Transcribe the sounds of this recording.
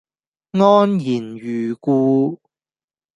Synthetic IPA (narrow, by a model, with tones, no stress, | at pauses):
ŋɔː˥njiː˨˩njyː˨kuː˧